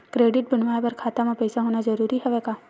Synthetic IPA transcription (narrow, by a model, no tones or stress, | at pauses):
kɾeːɖɪʈ̚bənʋaːjpəɾkʰaːt̪amãpəjsaɦoːnad͡ʒəɾuːɾiɦɛʋekaː